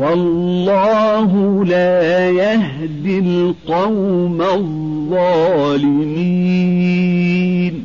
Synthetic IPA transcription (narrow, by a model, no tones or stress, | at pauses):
wɑlːɑːɦʊlaːjah | d̪ɪlqɑwmað | ɑːlɪmiː | n